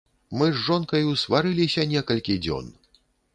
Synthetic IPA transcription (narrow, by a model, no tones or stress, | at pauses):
mɨzʐɔnkɐjusvaɾɨlʲisʲɐnʲɛkɐlʲkʲid͡zʲɔ̰n